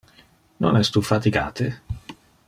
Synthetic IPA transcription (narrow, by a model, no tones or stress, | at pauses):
no̰nɛst̪ufat̪iɡa̰ːt̪e